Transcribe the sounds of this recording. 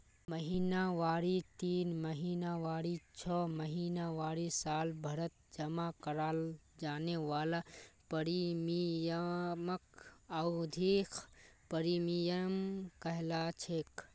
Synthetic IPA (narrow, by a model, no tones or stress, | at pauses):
məɦiːnaʋaːɾit̪iːnməɦiːnaʋaːɾit͡ʃʰɔːməɦiːnaʋaːɾisaːlbʱɐɾət̪̚d͡ʒɐmakɐɾaːld͡ʒaːneʋaːlapəɾimijəməkəʊd̪ʱiːkʰpəɾimijəmkəɦlat͡ʃʰeːk